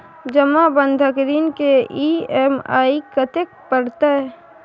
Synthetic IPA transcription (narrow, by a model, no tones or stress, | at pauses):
d͡ʒəmabənd̪ʱəkɾiːnkeiɛːma̰ːikət̪ek̚pəɾt̪aɛ